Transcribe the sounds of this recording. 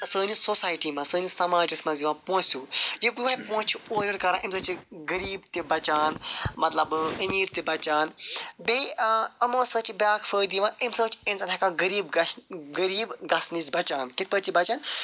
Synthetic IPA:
səːnisoːsaːjʈiːmãsəːnisɐmaːd͡ʒismɐ̃ziʋãːpõːsʲuːjiuapõːt͡ʃʰuoːɾəɾkɐɾãːʔimsɐːt͡ʃiɡəɾiːbt̪ebɐt͡ʃaːnmɐt̪lɐbəmiːɾt̪ebɐt͡ʃaːnbeɐmõːsɐ̃ːt͡ʃibaːkʰfəːɾd̪iʋãːimsəːt͡ʃẽnsɐnɦɐkãɡəɾiːbɡɐɾiːbɡɐsnisʲbɐt͡ʃaːnkit̪ʰpət͡ʃibɐt͡ʃaːn

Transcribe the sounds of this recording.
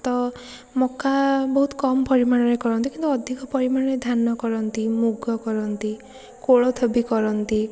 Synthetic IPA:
t̪ɔ | mɔkabɔɦut̪kɔmɔpɔɾimaɽ̃ɔɾekɔɾɔnt̪ikint̪uɔd̪ʱikɔpɔɾimaɽɔɾed̪ʱanːɔkɔɾɔnt̪imuɡɔkɔɾɔnt̪i | koɭɔt̪ʰɔbikɔɾɔnt̪i

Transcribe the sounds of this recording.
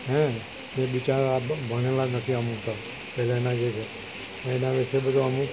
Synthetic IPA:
ɦɛ̃ | ebit͡ʃaɾabʱəɽ̃elanət̪ʰiamũt̪a | pɛlaenad͡ʒet͡ʃʰe | enaʋɛsebəd̪ʱuamũ

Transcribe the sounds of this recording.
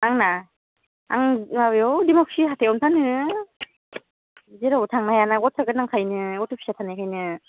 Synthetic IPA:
aŋna | aŋmawjɔwdimɔksiɦatʰeɔmtʰanɯ | zeɾabɔtʰaŋnaajanaɡɔtʰaɡɯt̚naŋkʰajnɯɔtʰɯpʰi̥satʰanajkʰajnɯ

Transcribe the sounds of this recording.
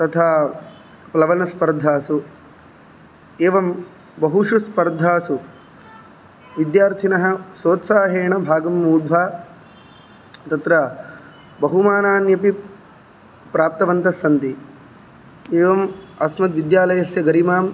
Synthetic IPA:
t̪ɐt̪ʰaː | plɐʋɐnɐspɐɾd̪ʱaːsu | eːʋɐm | bɐɦuʂuspɐɾd̪ʱaːsu | ʋid̪jaːɾt̪ʰinɐɦɐ̆soːt̪saːɦeːɳɐbʱaːɡɐmːuːd̪ʱʋaː | t̪ɐt̪ɾɐ | bɐɦumaːnaːnjɐpi | pɾaːp̚t̪ɐʋɐnt̪ɐsɐnt̪i | eːʋɐmɐsmɐt̪ʋid̪jaːlɐjɐsjɐɡɐɾimaːm

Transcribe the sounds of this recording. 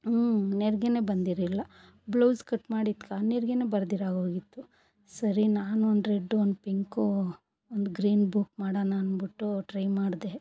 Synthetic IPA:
neɾɡene̞ːbɐnd̪iɾilːɐ | blowskɐʈːmaːɽit̪kaːneɾɡeneːbɐɾd̪iɾaːɡoːɡit̪ːu | sɐɾinaːnuond̪ɾeɖːuond̪upiŋku | ond̪uɡɾiːnbuk̚maːɽanaːnbiʈːuʈɾɐjmaːɽd̪e

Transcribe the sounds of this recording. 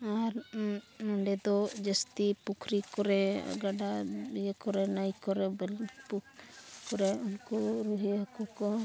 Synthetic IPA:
aɾmɔɳɖɛd̪ɔd͡ʒəst̪ipukʰɾikɔɾɛ̰ɡaɖajekɔɾɛnəjkɔɾɛbɛlpukɔɾɛunkuɾuɦiakɔkɔ

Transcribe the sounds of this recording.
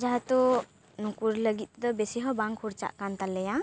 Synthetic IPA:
d͡ʒaɦɛt̪ɔ | nukuɾləɡit̪̚ˀd̪ɔbɛsiɦɔbaŋkʰuɾt͡ʃa̰ʔkant̪alɛja

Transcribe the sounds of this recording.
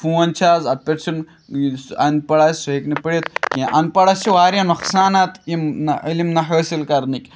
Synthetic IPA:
fʰũːɐnt͡ʃʰaːzɐt̪̚pʲeʈsʰin | ɐnpɐɽaːsuɦeknipəɽet̪kʲiʔɐnpɐɽɐsʰiʋaːɾjɐnuxsaːnɐt̪imnɐilimnɐɦəːsilkɐɾnikʲ

